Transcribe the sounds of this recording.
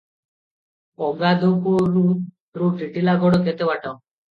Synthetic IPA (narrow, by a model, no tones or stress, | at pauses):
ɔɡad̪okoɾu | ɾuʈiʈilaɡɔɽoket̪ewaʈaw